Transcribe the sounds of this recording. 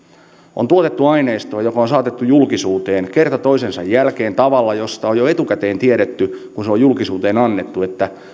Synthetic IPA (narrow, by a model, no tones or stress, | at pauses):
ʔont̪uot̪et̪ːuɑineːst̪oːjokɑonsɑːt̪et̪ːujulkisuːt̪eːnkert̪ɑt̪o̞isensɑjːælkeːnt̪ɑʋɑlːɑjost̪ɑojjoet̪ukæt̪eːnt̪ieɾet̪ːykunseojulkisuːt̪eːnɑnːet̪ːuet̪ːæ